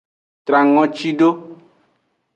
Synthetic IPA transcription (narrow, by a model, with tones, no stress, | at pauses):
t̪ɾa˨ŋɔ̃˦t͡ʃi˦ɖo˦